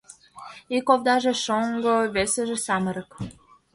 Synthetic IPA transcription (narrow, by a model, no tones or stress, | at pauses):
ikovd̪ɑʒĕʃoŋɡoβesə̆ʒĕsɑmə̆ɾə̆k